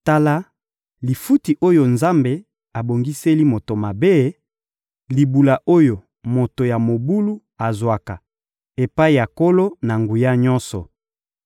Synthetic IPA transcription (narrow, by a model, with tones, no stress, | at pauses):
ta˦la˦ | li˨fu˦ti˨ʔo˦jo˨nza˦mbe˨ | a˨bo˨ŋɡi˦se˦li˦mo˨to˨ma˨be˦ | li˨bu˨la˨ʔo˦jo˨ | mo˨to˨ja˨mo˨bu˦lu˦ | a˨zwa˨ka˨ | e˨pa˦i˨ja˨ko˦lo˦na˨ŋɡu˨ja˦ɲɔ˦nsɔ˨